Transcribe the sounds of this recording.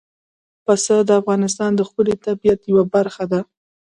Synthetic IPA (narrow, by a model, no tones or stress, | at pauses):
pasəd̪əafɣɑnɪs̬t̪ɑnd̪əxpəlet̪abijat̪jawabaɾxad̪a